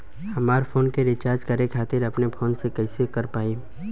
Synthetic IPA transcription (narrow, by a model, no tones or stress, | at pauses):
hɐmaːɾfʰoːnkeɾɪt͡ʃaːɾd͡ʒkɐɾekʰaːt̪ɪɾɐpnepʰoːnsekɛɪsekɐɾpaːiː